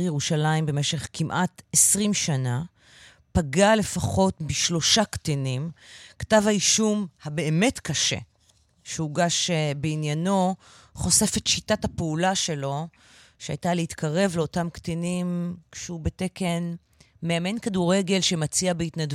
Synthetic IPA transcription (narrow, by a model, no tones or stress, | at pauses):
jeʁuʃalaimbe̞me̞ʃe̞χkimʔatesʁimʃana | paɡale̞faχo̞tbiʃlo̞ʃaktinimktavhaiʃumhabe̞ːme̞tkaʃe̞̰ | ʃeuɡaʃebeinjano̞ | χo̞se̞fetʃitathapeulaʃe̞lo̞ | ʃea̰jtaleitkʰaʁe̞vleo̞tamktinimʃehubeteke̞n | meame̞nkaduʁe̞ɡe̞lʃe̞mat͡siabeitnad